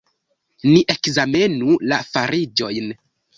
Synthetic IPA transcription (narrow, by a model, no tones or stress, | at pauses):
niʔe̞kzame̞nulafaɾid͡ʒo̞jn